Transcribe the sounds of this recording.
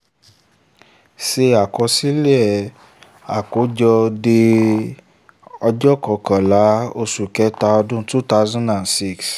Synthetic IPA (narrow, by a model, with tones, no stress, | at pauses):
se˧a˨kɔ˧si˦le˦ɛ˦˨ | a˨ko˨˦d͡ʒɔ˧de˧ | ɔ˧d͡ʒɔ˦kɔ˨˦kã˨la˨˦o˧su˨kɛ˨˦ta˧ɔ˧dũ˦tu˦ta˧˦zɔ̃˦nã˨nsi˦˨ks